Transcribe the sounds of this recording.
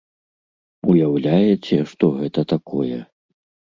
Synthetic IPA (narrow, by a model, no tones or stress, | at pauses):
ujawlʲajɛt͡sʲɛʂt̪ɔɣɛt̪ɐt̪akʰɔjɛ